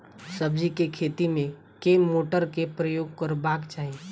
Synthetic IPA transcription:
səbd͡ʒikekʰeːt̪imẽ | keːmːoːʈəɾkepɾəjoːɡ̚kəɾbaːkt͡ʃaːɦie

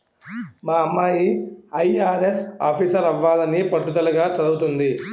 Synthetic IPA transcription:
maːɐmːaːjiɐjaːɾesa̰ːpʰiːsɐɾɐʋːaːlɐnipɐʈːut̪ɐlɐɡaːt͡ʃɐd̪uut̪und̪i

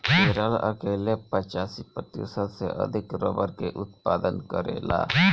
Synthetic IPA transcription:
meɾələ̰keːlepət͡ʃaːsipət̪ḭsəlseʔə̰d̪ʱɪkɾəbəɾkeʔʊt̪paːd̪ənkəɾḛːla̰ː

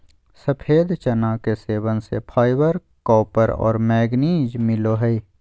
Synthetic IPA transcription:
sɐpʰeːd̪t͡ʃɐnakeseːʋənsḛpʰaːɪbəɾ | kɔːpəɾɔ̰ːɾmɛːɡniːd͡ʒmɪloɦəi

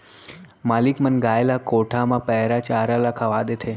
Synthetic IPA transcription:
malikmənɡaelakoʈʰamãpəɦɾat͡ʃaɾalakʰaʋad̪et̪ʰe

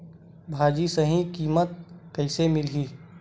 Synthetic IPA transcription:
bʱaːd͡ʒisəɦĩkiːmət̪̚kəɪsemɪlɦiː

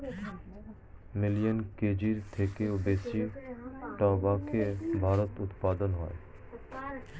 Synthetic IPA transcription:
milijonked͡ʑiɾt̪ʰekeobesi | ʈɔbakʰebʱaɾot̪ut̪pad̪onɦɔe

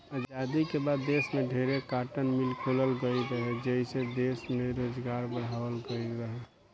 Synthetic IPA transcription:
əd͡ʒd͡ʒad̪ikebad̪ːesmeɖʱeɾekaʈənmilkʰoləlɡəjɾəɦɛd͡ʒəɦised̪esmeɾod͡ʒɡaɾbəɽɦabəlɡəiɾəɦɛ

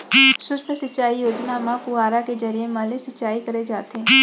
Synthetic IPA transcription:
ʃʊsʃnəsət͡ʃːaːijoːd̪naːmãpʊaːɾaked͡ʒəɾijemaːlesət͡ʃaːikəɾed͡ʒaːt̪ẽː

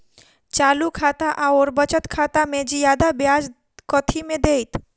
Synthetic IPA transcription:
t͡ʃalukʰat̪aʔaoɾbət͡ʃət̪kʰat̪amed͡ʒijad̪abjad͡ʒ | kɔt̪ʰimẽd̪ejt̪

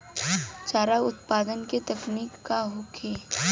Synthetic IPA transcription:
t͡ʃaːɾaʊt̪paːd̪ənket̪ɐkniːkːaɦokʰeː

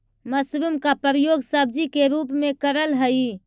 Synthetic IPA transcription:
məsɾumkapəɾijoɡsəb̚ʱd͡ʒikeɾupmekəɾəlɦəj

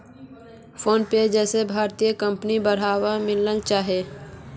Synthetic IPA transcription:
pʰoːnped͡ʒɛːsebʱaːɾt̪ijəkə̃mpnibəɽ̤aːwamɪlːəlt͡ʃaːɦe

